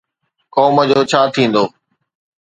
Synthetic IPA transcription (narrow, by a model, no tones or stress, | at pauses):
kɔːməd͡ʑoːt͡ɕʰaːt̪ʰĩːn̆d̪oː